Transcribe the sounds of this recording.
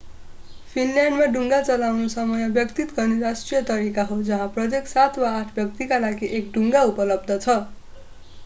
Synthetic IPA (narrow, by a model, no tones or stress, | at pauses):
pʰinljaɳɖmaɖʱuŋɡat͡sʌlawnusʌmʌjʌbjʌkt̪it̪ɡʌrniɾasʈrijʌt̪ʌɾikaɦod͡zʌɦãprʌt̪eksat̪ʰwaːʈʰbjʌk̚t̪ikalaɡiʔek̚ɖʱuŋɡaupʌlʌb̚d̪ʱʌt͡sʰʌ